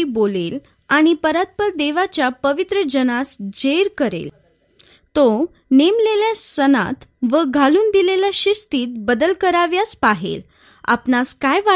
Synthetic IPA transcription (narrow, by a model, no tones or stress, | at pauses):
iːbolel | aɽ̃ipəɾat̪̚pəɾd̪eʋat͡ɕjapəʋit̪ɾəd͡ʑənasd͡ʑeɾkəɾḛl | t̪o | nemleljasəna̰t̪ʋəɡʱaluːnd̪ileljaɕist̪iːt̪̚bəd̪əlkəɾaʋjaspaɦḛl | a̰pnaskajʋa